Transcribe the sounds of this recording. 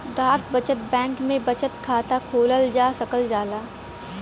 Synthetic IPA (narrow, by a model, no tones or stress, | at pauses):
d̪aːkʰbɐt͡ʃət̪̚bɛ̃ːŋkmẽbɐt͡ʃət̪kʰaːt̪akʰoːləld͡ʒaːsɐkəld͡ʒaːlaː